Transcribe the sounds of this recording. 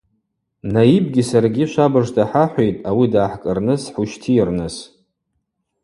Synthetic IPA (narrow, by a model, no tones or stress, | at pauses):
najib̚ɡʲisarɡʲiʃʷabɨʐtʰʼaħaħʷejtʼawidaːħkʼɨrnɨsħuʃtʰiːrnɨs